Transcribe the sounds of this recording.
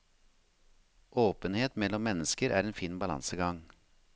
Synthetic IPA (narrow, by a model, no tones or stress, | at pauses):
ʔoːpənheːt̪mɛlɔmːɛnəskəɾʔæ̰ːɾeːnfiːnbɑlɑ̰nsəɡɑŋ